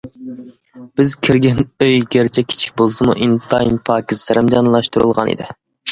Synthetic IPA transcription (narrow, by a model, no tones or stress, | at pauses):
b̥ɪzkʲʰiɾɡʲɛnøjɡʲeɾt͡ʃʰɛkʲʰi̥t͡ʃʰi̥k̚ʲbolˠsɨmṵʔint̪ʰɑjnpʰɑːkʲizlɨɾɪmd͡ʒɑnlˠɑʃt̪uɾulˠʁɑ̰nḭd̪ɪ̰